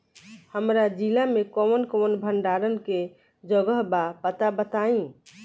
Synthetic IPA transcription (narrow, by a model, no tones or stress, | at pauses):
həmɾad͡ʒilamekɔwnkɔnbʱəɳɖaɾənke | d͡ʒəɡəɦbapət̪abət̪aĩ